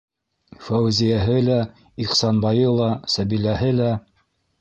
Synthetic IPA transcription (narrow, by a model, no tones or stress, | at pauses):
fæwzijæɦɘlæ | iqsɑnbɑjɤlˠɑsæbilæɦɘlæ